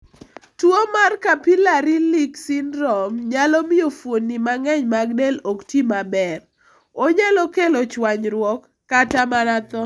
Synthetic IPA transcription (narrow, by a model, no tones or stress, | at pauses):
twomarkapilaɾiliksɪnɾɔmɲalɔmiofwonːimaŋɛɲmaɡdeloktimabɛr | oɲalɔkelɔt͡ʃwaɲɾwɔkːatamaɾat̪ɔ